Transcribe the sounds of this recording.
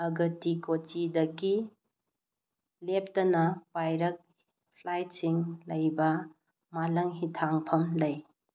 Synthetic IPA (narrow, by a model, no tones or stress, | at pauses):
ɐɡɐtikot͡ʃidɐɡi | lep̚tɐnɐpajɾɐk̚ | pʰlajt̚siŋlɐjbɐ | malɐŋɦitʰaŋpʰɐmlɐj